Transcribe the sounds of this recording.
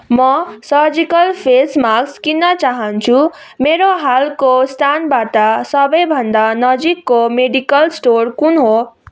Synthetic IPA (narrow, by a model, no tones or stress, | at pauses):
mʌsʌɾd͡zikʌlpʰesmakskinʌt͡saɦʌnt͡sʰu | meɾoɦalkost̪ʰanbaʈʌsʌbʌjbʱʌnd̪anʌd͡zikːomeɖikʌlsʈoɾkunɦo